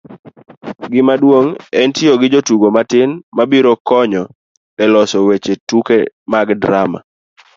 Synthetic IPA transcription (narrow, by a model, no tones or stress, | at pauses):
ɡɪmadwoŋɛntioɡɪd͡ʒotuɡomatɪnmabiɾɔkɔɲɔ | ɛlɔsɔwet͡ʃetukemaɡdɾama̰